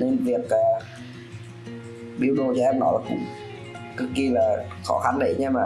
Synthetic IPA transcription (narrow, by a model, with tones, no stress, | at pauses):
ne˧nvi˨˩ək̚ʔaː˨˩ | ɓi˧əwɗo˨˩t͡ɕɔ˧ʔɛ˧mnɔ̰˧˦jlaː˨˩kʊ̰˧˥˦ŋ͡m | kɨ˦˥kki˧laː˨˩xɔ˧˩xa˧nɗə˧˦jɲɛ˧maː˨˩